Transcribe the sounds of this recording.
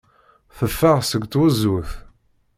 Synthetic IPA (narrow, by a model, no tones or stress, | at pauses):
θəfːaʁsəɡʷt̪wəzuθ